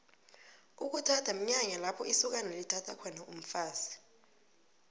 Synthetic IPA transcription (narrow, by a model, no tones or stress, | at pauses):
uk̬utʰatʰam̩ɲaɲalapʰɔisuk̬analitʰatʰakʰɔnaum̩faːzi̥